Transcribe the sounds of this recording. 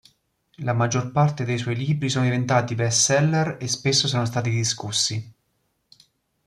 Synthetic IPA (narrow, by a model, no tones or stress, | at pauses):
lamad͡ʒːorpart̪ed̪ejswɔjliːbɾisoːnod̪ivent̪aːt̪ivɛsːɛlːerespesːosoːnos̬t̪aːt̪id̪iskusːi